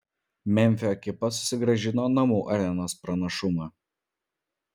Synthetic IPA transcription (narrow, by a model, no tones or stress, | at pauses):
mʲɛmʲfʲɪoːkʲɪpɐsʊ̥sʲɪɡɾɐʒʲɪnoːnɐmuːʔɐɾʲɛnoːspɾɐnɐʃʊmɑ